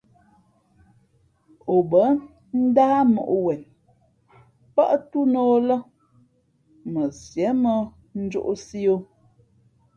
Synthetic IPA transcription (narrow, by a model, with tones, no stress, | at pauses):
o˨bə˨˦ | n̩˦daː˦mo̰˨ʔwɛ˨n | pa˦ʔtu˦no˦lə˦ | mə˨sjɛ˨˦mə˦ | n̩˦d͡ʒo̰˦ʔsi˦o˦